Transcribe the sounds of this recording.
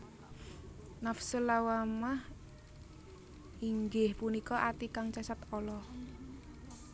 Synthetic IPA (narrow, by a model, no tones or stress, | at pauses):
nafsulawamah | iŋɡɪhpunikɔʔat̪ikaŋt͡ʃasat̪ɔlɔ